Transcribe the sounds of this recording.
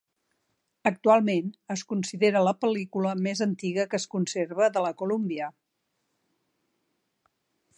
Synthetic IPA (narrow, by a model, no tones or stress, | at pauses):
ək̚t̪ualˠmenəskunsiðeɾələpəlikuləmezənt̪iɣəkəskunseɾβəðələkulumbiə